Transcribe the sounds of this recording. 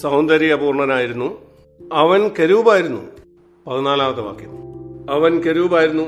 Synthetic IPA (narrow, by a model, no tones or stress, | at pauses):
sɐwnd̪ɐɾiɣɐpuːrɳɐɾaːjiɾunːu | ɐʋɐnkeɾuːbaːjiɾunːṵ | pɐðinaːlaːʋɐt̪ːɐma̰ːkːjumɐʋɐnkeɾuːbaːjiɾunːu